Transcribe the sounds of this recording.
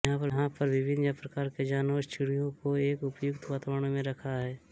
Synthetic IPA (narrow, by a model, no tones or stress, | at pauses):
ɦãpɐɦãpɐɾʋɪbɪnjəpɾəkaːɾked͡ʒaːnoːst͡ʃɪɽijõkoeːkʊpjʊkt̪ʰʋaːt̪aʋɽ̃õmẽɾɐkʰaɦɛː